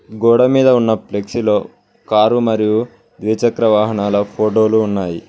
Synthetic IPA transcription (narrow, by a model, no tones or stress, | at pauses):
ɡɔːɽɐmiːd̪ɐunːɐpleksilo̞ː | kaːɾumɐɾiju | d̪ʋit͡ʃɐkɾɐʋaːɦɐɳaːlɐpʰoːʈo̞ːluːnːaːjḭ